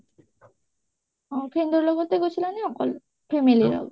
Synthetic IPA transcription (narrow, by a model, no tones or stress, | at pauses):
ɔ̃pʰend̪oɾlɔɡot̪eɡot͡ɕʰilaniɔkɔl | pʰemililɔ̰ɡo